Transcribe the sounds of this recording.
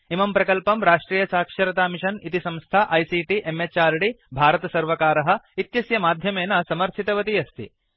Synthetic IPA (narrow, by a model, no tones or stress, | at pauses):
imɐmpɾɐkɐlpɐmɾaːʂʈɾiːjɐsaːkʂɐɾɐt̪aːmiʃɐnit̪isɐ̃mst̪ʰaʔɐjsiːʈiʔemet͡ʃaːɾɽibʱaːɾɐt̪ɐsɐɾʋɐkaːɾɐɦɐ̆it̪jɐsjɐmaːd̪ʱjɐmeːnɐsɐmɐɾʃʰit̪ɐʋɐt̪iɐst̪ḭ